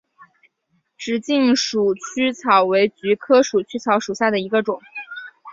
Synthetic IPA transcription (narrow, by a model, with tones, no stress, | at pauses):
ʈ͡ʂɻ̩˨˩t͡ɕi˥˩ŋʂu˨˩t͡ɕʰy˥t͡sʰɑ˨˥ʊwe˧˥ɪt͡ɕy˧˥kʰɤ˥ʂu˨˩t͡ɕʰy˥t͡sʰɑ˧˥ʊʂu˨˩ɕja˥˩d̪ə˩i˧˥ɡə˧ʈ͡ʂʊ˨˩˦ŋ